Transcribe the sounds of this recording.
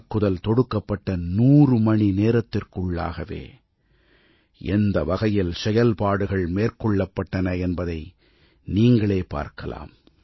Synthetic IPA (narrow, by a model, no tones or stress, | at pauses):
kːɯðɐlt̪ɔɽɯkːɐpːɐʈːɐnuːrɯmɐɳineːɾɐt̪ːɪrkɯɭːa̰ːɣɐʋḛː | ʔɛnd̪ɐʋɐɣɐjɪlsɛjɐlpaːɽɯɣɐɭmeːrkɔɭːɐpːɐʈːɐnɐɛnbɐðɐɪ | niːŋɡɐɭeːpa̰ːɾkɐla̰ːm